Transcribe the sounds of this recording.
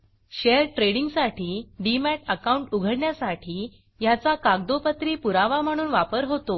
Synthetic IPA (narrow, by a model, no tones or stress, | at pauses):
ɕeɾʈɾeɽiŋɡsaʈiːɖimæʈəkauɳʈuɡʱəɽɳjasaʈʰiː | jat͡sakaɡd̪opət̪ɾiːpuɾaʋam̤əɽ̃uːnʋapəɾɦot̪o